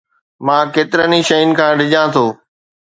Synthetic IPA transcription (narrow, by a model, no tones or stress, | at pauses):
mãːkeːt̪ɪɾəniʃɐɪnɪ̆kʰãːɖɪd͡ʑãːt̪ʰoː